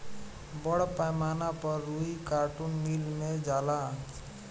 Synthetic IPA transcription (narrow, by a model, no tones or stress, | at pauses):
bʌɽpajmanapʌruikaʈunːilned͡zala